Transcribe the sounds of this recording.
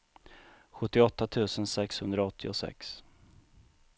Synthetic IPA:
ɧɵt̪ːɪɔt̪ːat̪ʰʉ̟ːsənsɛkshɵnd̪ɾaɔt̪ʰːɪɔsɛ̰ks

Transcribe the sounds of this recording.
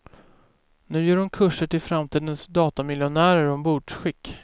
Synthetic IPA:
nʉ̟ːjœːɾʊmkʰɵʂəʈʰɪlfɾamt̪ʰiːd̪ənsd̪ɑːt̪amɪljʊnæːɾəɾɔmbuːɖʂɧɪkː

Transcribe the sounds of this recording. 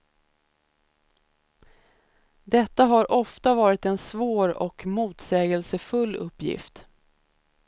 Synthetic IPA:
d̪ɛt̪ːaɦaɾʔɔft̪avɑːɾɪt̪ɛnsvoːɾɔ̰kmuːt̪sɛːɡəlsəfɵlːɵpːjɪ̰ft̪

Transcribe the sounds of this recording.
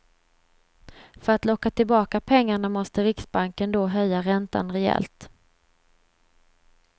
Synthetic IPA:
fœɾat̪lɔkːat̪ʰɪlbɑːkapʰɛŋːaɳamɔst̪əɾɪksbaŋkənd̪ɔɦœjːaɾɛnt̪a̰nɾɛɛ̰lt̪

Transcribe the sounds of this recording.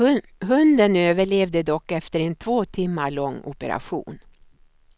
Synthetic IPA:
ɦɵnd̪ənøːvəɭeːvd̪əd̪ɔkːɛft̪əɾɛnt̪ʰvoːt̪ʰɪmːaɭɔŋːʊ̰pəɾa̰ɧṵːn

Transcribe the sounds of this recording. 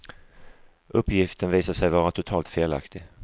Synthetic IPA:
ʔɵpːjɪft̪ʰənviːsaʂɛjvɑːɾat̪ʰʊt̪ʰɑːlt̪feːla̰kt̪ʰɪ

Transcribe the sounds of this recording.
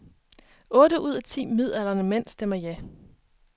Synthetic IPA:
ɔ̽ːɾəʔuð̞̰ˠæt͡sʰḭːmið̞̰ˠælɐnəmen̰sd̥emɐjæ

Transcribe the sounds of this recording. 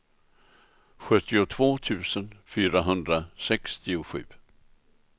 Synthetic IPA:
ɧɵt̪ːɪʊt̪ʰvoːt̪ʰʉ̟ːsənfyːɾaɦɵnd̪ɾasɛkst̪ɪʊɧʉ̟ː

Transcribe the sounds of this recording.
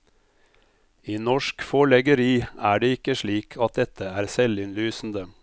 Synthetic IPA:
iːnɔʃkfɔɭɛɡəɾiːæːɖeːɪkəʃliːkʰɑt̪̚d̪ɛt̪ʰəæːɾsɛlɪnlyːsn̩d̪ə

